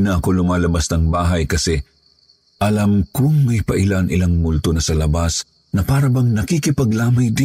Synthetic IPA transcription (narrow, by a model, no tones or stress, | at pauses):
nɐɐkolʊmaːlɐbast̪ɐŋbaːɦɐjkɐsɛ | ʔɐlamkʊŋmɐjpɐʔɪlanʔɪlaŋmʊlt̪onɐsɐlɐbas | nɐpaːɾɐbɐŋnɐkikɪpɐɡlaːmɐjd̪ɪ